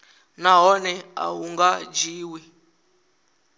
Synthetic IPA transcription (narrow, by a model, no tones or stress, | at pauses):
naɦɔnɛa̰ɦuŋɡad͡ʒiːwi